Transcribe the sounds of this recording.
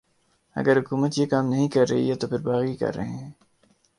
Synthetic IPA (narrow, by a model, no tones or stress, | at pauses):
ɐ̰ɡəɾɦʊkuːmət̪jeːkaːmnɐɦĩkɐɾːɐ̰ɦḭɦɛt̪opʰɪɾbaːɣikɐ̰ɾːɐ̰ɦẽɦɛ̃ː